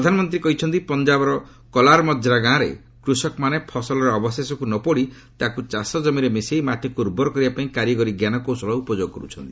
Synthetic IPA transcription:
pɾɾɔd̪ʱanɔmɔnt̪ɾikɔɦit͡ʃʰɔnt̪ipɔnd͡ʒabɔɾɔ | kɔlaɾmɔd͡ʒʱɾaɡãːɾḛ | kɾusɔkɔmanepʰɔsɔlɔɾɔɔbɔsesɔkunɔpɔɽi | t̪akut͡ʃasɔd͡ʒɔmiɾemisejmaʈikuɾubɔɾɔkɔɾibapaĩkaɾjɔɡɔɾiɡjanɔkosɔlɔupɔd͡ʒoɡɔkɔɾut͡ʃʰɔnt̪i

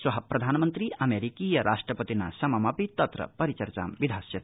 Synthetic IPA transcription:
swɐɦɐpɾɐd̪ʱaːnmənt̪ɾiʔɐmeɾikijɐɾʔasʈɾɐpət̪ina̰sɐmɐmɐpit̪ɐt̪ɾɐ̰pɐɾit͡ʃɐɾt͡ʃa̰mbid̪ʱasjɐt̪

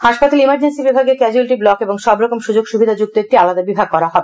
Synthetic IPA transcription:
haʃpat̪aleimaɾd͡ʑensibibʱaɡekɛd͡ʑuelʈiblɔkeboŋʃɔbɾɔkomʃud͡ʑoɡʃubʱid̪ʱad͡ʑuk̚t̪oek̚ʈialad̪abibʱaɡ̚kɔɾaɦɔbe

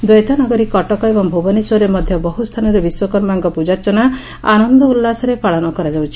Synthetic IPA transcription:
d̪ɔjt̪anɔɡɔɾikɔʈɔkɔebɔŋbʱobɔniswɔɾemɔd̪ʱjɔbɔɦust̪ʰanɔɾebiswɔkɔɾmaŋkɔpud͡ʒat͡ʃɔna | a̰nɔnd̪ɔulːasɔɾepaɭɔnɔkɔɾad͡ʒawt͡ʃʰi̥

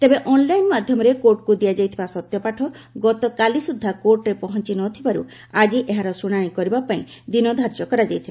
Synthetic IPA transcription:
t̪ebeʔɔnlajnmad̪ʱjɔmɔɾekoɾʈkud̪ijad͡ʒajt̪ʰibasɔt̪jɔpaʈʰɔ | ɡɔt̪ɔkalisud̪ʱːakoɾʈɾepɔɦɔnt͡ʃinɔt̪ʰibaɾṵ | ad͡ʒiʔeɦaɾɔsuɽ̃aɽ̃ĩkɔɾibapaĩd̪inɔd̪ʱaɾt͡ʃɔkɔɾad͡ʒajt̪ʰiba

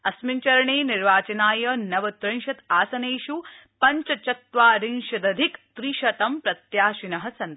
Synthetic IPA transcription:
ɐsmiɲt͡ʃɐɾɐɳeːniɾʋaːt͡ʃɐnaːjɐnɐʋɐt̪ɾɐnʃɐt̪aːsɐneːʃupɐɲt͡ʃɐt͡ʃɐt̪ʋaːɾinʃɐd̪ɐd̪ʱikt̪ɾiʃɐt̪ɐmpɾɐt̪jaːʃinɐɦɐsɐnt̪

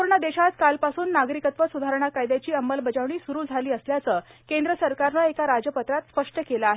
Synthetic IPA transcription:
uɾɳəd̪eɕat̪kalpasuːnːaɡɾikət̪ʋəsud̪ʱaɾəɳ̃akajd̪jat͡ɕiːəmːəlbəd͡ʑaʋɳiːsuɾuːd͡zʱaliːəsljat͡səːkẽnd̪ɾəsəɾkaɾnəekaɾad͡ʑəpət̪ɾat̪spəʂʈəkeləːɦe

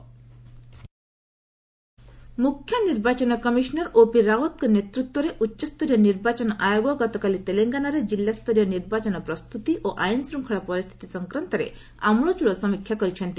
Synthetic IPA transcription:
mukʰːjɔniɾbat͡ʃɔnɔkɔmiʃnɔɾopiɾawɔt̪kɔnet̪ɾut̪wɔɾeʔutːʃɔst̪ɔɾijɔniɾbat͡ʃɔnɔʔajoɡɔɡɔt̪ɔkalit̪eleŋɡanaɾed͡ʒilːast̪ɔɾijɔniɾbat͡ʃɔnɔpɾɔst̪ut̪iʔoʔajnsɾuŋkʰɔɽɔpɔɾist̪ʰi̥t̪isɔŋkɾant̪ɔɾḛ | a̰mɭɔt͡ʃuɽɔsɔmikʰːjakɔɾit͡ʃʰɔnt̪i

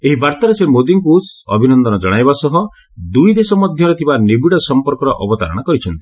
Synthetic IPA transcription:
eɦibaɾt̪aɾesemod̪iŋkusɔ̰bʱinɔnd̪ɔnɔd͡ʒɔɽ̃ajbasɔɦɔ | d̪ujd̪esɔmɔd̪ʱjɔɾɔt̪ʰibanebiɽɔsɔmpɔɾkɔɾɔʔɔbɔt̪a̰ɾɔɽ̃akɔɾit͡ʃʰɔnt̪i̥

